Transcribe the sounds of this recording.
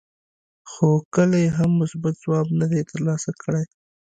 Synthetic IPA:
xokəlajeɦamːʊsbat̪̚zwɑbnad̪et̪əɾlɑsakʰəɽaj

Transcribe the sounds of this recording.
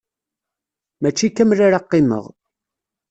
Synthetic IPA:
mæt͡ʃːikːæmɾaɾaqːɪmə̰ʁ

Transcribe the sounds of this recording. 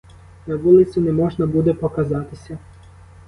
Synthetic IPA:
naʋulˠɪt̪sinɛmɔʒnabud̪ɛpokazat̪ɪsʲa

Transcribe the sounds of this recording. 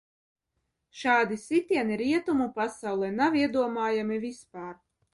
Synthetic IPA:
ʃaːd̪isit̪ʲiɛniɾiɛt̪umupasawlˠɛnaviɛd̪uɔmaːjamivispaːɾ

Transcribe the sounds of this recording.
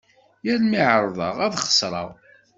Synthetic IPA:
jæɾmiʕɾˤðˤɑʁæðχə̥sˤɾˤɑ̰ʁ

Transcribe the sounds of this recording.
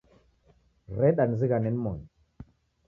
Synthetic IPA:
ɾɛɗanziɣanɛnmɔn

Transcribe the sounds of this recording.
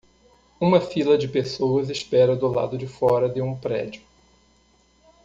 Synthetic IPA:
ũmɐfilɐd͡ʒɪpesowɐzɪspɛɾɐd̪ʊla̰d̪ʊd͡ʒɪfɔɾɐd̪ɪũpɾɛ̰d͡ʒʊ

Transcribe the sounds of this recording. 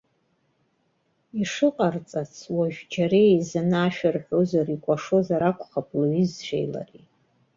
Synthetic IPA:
iʂɨqʼart͡sʼat͡sʰwaʒᶣd͡ʒaɾejzɨnaːʃᶣarħʷozarikʷʼaʂo̞zaɾakʷʰʼχapʼlɥizʃʷʰḛjla̰ri

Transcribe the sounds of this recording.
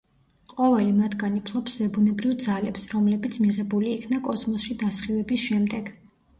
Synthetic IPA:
qʼɔvɛlimat̪ʰɡanipʰlˠɔpsvɛbunɛbɾivd̪zalɛpsɾɔmlɛbit̪sʰmiʁɛbuliːkʰnakʼɔsmɔsʃid̪asχivɛbisʃɛmd̪ɛɡ̥

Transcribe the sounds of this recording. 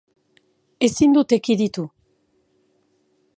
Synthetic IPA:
e̞sind̪ut̪e̞kiðit̪u

